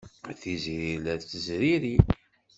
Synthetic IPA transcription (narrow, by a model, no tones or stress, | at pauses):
θizɾilæt͡sːəzɾiɾi